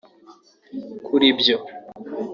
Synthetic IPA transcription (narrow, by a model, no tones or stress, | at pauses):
kʰuɾibjo